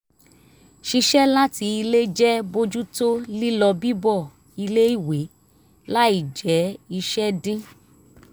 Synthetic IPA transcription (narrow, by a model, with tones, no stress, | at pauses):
ʃi˧ʃɛ˦la˦ti˧i˧le˦d͡ʒɛ˦bo˦d͡ʒu˦to˦li˦lɔ˧bi˦bɔ˦˨ | i˧le˦i˦˨we˨˦ | la˦i˦˨d͡ʒɛ˨˦i˧ʃɛ˦dĩ˦